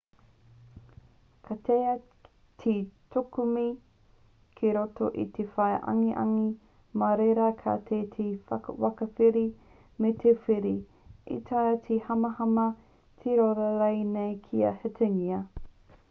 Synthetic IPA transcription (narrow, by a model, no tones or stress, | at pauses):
kʰɐtʰeɐ | tʰitʰokumi | kʰeɾotoʔitʰefɐjʔɐ̰ŋiʔɐ̰ŋi | mɐɾeɾɐkʰa̰ːt̪ʰeːt̪ʰefɐ̰kwɐkɐfiɾi | metʰefiɾi | ḭt̪ʰaɐtʰihɐmɐhɐmɐ | t̪ʰeɾoɾɐɾɐjnejkʰiɐ̰hetʰeŋiɐ